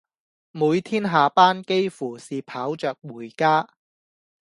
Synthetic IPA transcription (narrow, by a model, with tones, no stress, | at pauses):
muː˨˧jt̪ʰiː˥nɦaː˨paː˥nke˥jfuː˨˩siː˨pʰaː˨˥wt͡ʃœː˨k̚wuː˨˩jkaː˥